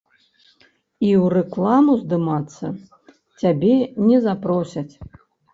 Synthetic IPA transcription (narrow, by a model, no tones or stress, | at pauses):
iwrɛklˠamuzd̪ɨmat̪sːɐ | t͡sʲabʲɛnʲɛzapɾɔsʲɐt͡sʲ